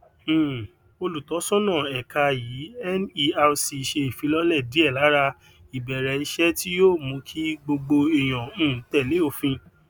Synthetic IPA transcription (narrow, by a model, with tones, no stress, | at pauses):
o˧lu˨tɔ˨˦sɔ̃˦nã˦˨ɛ˨ka˧jiː˨˦ɛ˦ni˧a˧si˧i˨ʃe˧i˨fĩ˨˧˦lɔ˦lɛ˦˨di˨˦ɛ˦˨la˨˦ɾa˧ | i˨bɛ˨ɾɛ˨˦i˧ʃɛ˦ti˦joː˦˨mũ˧kʰi˦ɡ͡bo˧ɡ͡bo˧i˨j̃ɔ̃˨ũ˦˨˦tɛ˦˨le˨˦o˦˨fĩ˧